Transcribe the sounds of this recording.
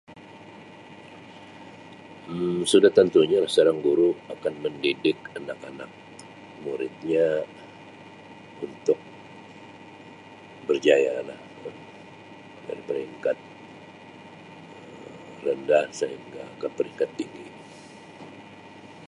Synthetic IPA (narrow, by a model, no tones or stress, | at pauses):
sudaht̪ənt̪uɲalahsaɾaŋɡuɾuakanməndidɪkanakana̰k̚ | muɾɪt̪̚ɲa | unt̪ʊk̚ | bərd͡ʒajala̰h | ə | da̰ɾipəɾiŋkat̪̚ | ə | rəndahsəɦiŋɡaːkanpəɾiŋkat̪ːiŋɡi